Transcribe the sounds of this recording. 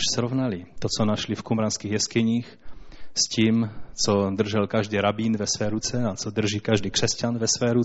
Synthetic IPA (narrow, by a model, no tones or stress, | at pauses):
ʃsɾovnalit̪ot͡sonaʃlifkumɾanskiːɣjɛskɪɲiːxsciːmt͡sod̪r̩ʒɛlkaʒdiːɾabiːnvɛsvɛːɾut͡sɛat͡sod̪r̩ʒiːkaʒdiːkr̝̥ɛscanvɛsvɛːɾu